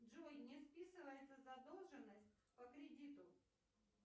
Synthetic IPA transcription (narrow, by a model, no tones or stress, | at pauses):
dʐojnʲɪspʲisɨvəjɪt̪səzɐd̪olˠʐɨnːəsʲt̚ʲpəkɾʲɪdʲit̪ʊ